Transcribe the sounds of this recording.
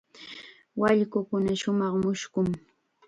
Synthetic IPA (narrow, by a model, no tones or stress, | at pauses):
waʎkʊkʊnaʃʊmɑχmʊʃkʊŋ